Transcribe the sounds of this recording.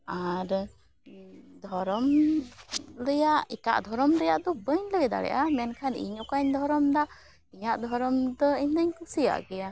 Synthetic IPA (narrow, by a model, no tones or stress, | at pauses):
aɾ | d̪ʱɔɾɔm | ləjaʔika̰ʔd̪ʱɔɾɔmɾɛjaʔd̪ɔbəɲləɡɛd̪a̰ɽɛ̰ʔamɛnkʰanḭɲɔkaɲd̪ʱɔɾɔmd̪aʔ | iɲaʔd̪ʱɔɾɔmd̪ɔiɲd̪əɲkusija̰ʔɡɛja